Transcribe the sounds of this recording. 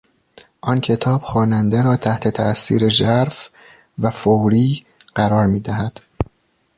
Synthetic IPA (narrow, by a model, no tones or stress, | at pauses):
ʔɒncʲʰe̞t̪ʰɒːb̥xɒːnænd̪e̞ɾɒːt̪ʰæht̪ʰe̞t̪ʰæʔsḭːɾe̞d͡ʒæɾf | væfowɾiː | ɢ̥æɾɒːɾmiːd̪æɦæd̪̥